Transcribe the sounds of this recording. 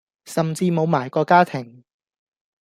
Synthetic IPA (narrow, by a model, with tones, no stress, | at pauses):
sɐ˨mt͡siː˧mo˨˧wmaː˨˩jkɔː˧kaː˥t̪ʰɪ˨˩ŋ